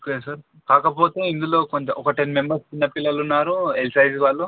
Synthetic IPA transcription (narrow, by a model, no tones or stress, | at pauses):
okeːsɐɾ | kaːkɐpo̞ːt̪e̞ːind̪ulo̞ːkoɲt͡ʃɐʔɔkɐʈenme̞mbɐɾst͡ʃinːɐpilːɐlunːaːɾuelsɐjzʋaːɭːu